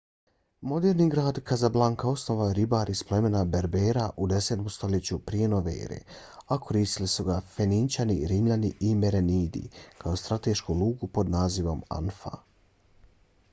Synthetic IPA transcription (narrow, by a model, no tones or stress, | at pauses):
mo̞d̪eːɾniɡɾaːd̪kazablˠaŋkao̞sno̞ʋajoɾibaːɾisplˠe̞me̞nabe̞ɾbeːɾaʔud̪e̞set̪omst̪o̞let͡ɕupɾije̞noʋḛːɾḛakʰo̞ɾiːst̪ilisuɡafenint͡ʃaniɾimʎaniʔime̞ɾeniːd̪ḭkʰao̞st̪ɾat̪eːʃkulˠuːɡupo̞d̪naːziʋo̞ma̰nfa̰